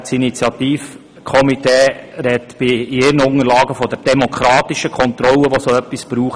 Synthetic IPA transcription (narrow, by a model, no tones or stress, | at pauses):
t͡sinit͡sjɑt̪iːf | kʰɔmit̪eːɾɛt̪b̥ɪɪɾənʊŋəlɑːɡəfɔd̥ɛɾd̥ɛmɔkʰɾɑːt̪iʃəkʰɔnt̪ɾɔləʋosoœpːisb̥ɾuːχ